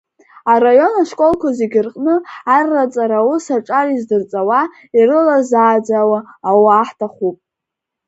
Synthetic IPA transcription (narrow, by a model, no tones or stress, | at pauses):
arajo̞naʂkʼo̞lkʷʰazeɡʲɪrqʼnɨarːat͡sʼaɾawusaʈ͡ʂʼarizdɨrt͡sʼawa | irɨlazaːd͡zawaːwaħtʰaχupʼ